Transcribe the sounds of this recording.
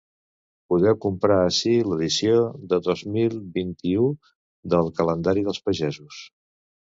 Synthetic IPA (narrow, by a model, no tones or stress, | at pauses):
puðɛwkumpɾaəʃiləðisioðəðoɔzmilˠβint̪iu | ðəlˠkələnd̪aɾiðəlˠspəʒɛzus